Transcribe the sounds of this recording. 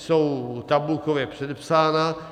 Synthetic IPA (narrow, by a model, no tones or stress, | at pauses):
sowt̪abukovɛpsed̪əpsaːna